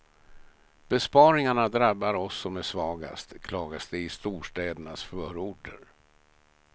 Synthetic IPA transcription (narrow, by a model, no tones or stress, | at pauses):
b̥ɛspɑːɾɪŋaɳad̪ɾabːaɾɔsːɔmæʂvɑːɡa̰st̪kʰlɑːɡasd̪ɛɪst̪uːʂʈɛːd̪əɳasfœːɾuːɖəɾ